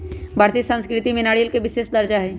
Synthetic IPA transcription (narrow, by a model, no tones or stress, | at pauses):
bʱaːɾt̪isə̃nskɾɪt̪imɪnaːɽijəlkebɪʃeːsd̪əɾd͡ʒaɦɛ